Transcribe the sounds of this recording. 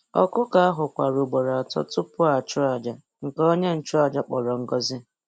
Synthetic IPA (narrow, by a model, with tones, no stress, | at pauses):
ɔ̰˦kʊ˦ka˨a˦ɦʊ˨kʷa˨ɾʊ˨ɡ͡bo˨ɾa˨a˨tɔ̰˦tʊ˦pʊ˦a˨t͡ʃʊ˦a˨d͡ʒa˨ | ŋ̩˨ko˦ɲe˦n̩˨t͡ʃʊ˦a˨d͡ʒa˦k͡pɔ˨ɾɔ˨ŋ̩˦ɡɔ˦zɪ˦